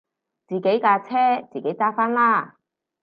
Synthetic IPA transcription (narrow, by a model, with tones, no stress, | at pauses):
t͡siː˨ke˨˥jkaː˧t͡sʰɛː˥t͡siː˨˩ke˨˥jt͡saː˥faː˥nlaː˥˩